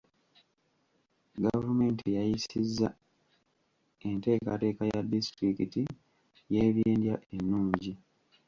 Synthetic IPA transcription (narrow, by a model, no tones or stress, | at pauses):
ɡavume̞ːntijajisizːa | ente̞ːka̰te̞ːkajadistɾikiti | jeːβjeːndjaʔenːuːɲɟi